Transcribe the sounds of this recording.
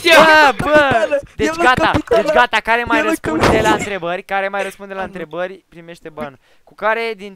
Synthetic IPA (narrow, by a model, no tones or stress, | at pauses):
bəbəd̪et͡ʃɡat̪ad̪et͡ʃɡat̪akaɾe̞majrəspund̪elaɨnt̪ɾe̞bəɾʲkaɾe̞majrəspund̪elaɨnt̪ɾe̞bərʲpɾime̞ʃt̪e̞ban | kukaɾe̞d̪in